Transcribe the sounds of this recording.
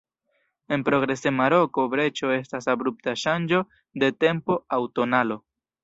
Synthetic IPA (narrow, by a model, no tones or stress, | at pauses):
e̞npɾo̞ɡɾe̞se̞maɾo̞ko̞bɾe̞t͡ʃo̞e̞stasabɾup̚taʃand͡ʒo̞ | de̞te̞mpo̞awto̞nalo̞